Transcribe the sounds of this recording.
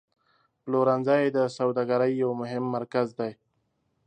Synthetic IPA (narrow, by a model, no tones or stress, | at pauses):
loɾanzɑjed̪əsawd̪aɡaɾəjːawmʊɦɪmːaɾkazd̪aj